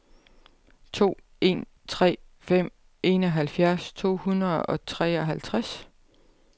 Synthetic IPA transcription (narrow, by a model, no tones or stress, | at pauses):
t͡sʰo̝̰ː | e̝̰ːn | t͡sʰʁɛ̰ːfem̰ | e̝ːnɒ̽ɦælfjæɐst͡sʰo̝̰ːhunɐð̩ˠɒ̽t͡sʰʁɛ̰ːɒ̽ɦælt͡sʰʁas